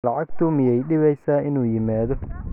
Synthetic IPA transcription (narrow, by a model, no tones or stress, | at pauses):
lɑʕɑɡt̪ʰʊmɪjɛjɖɪβɛjsaːʔɪnuːjɪmaːðɔ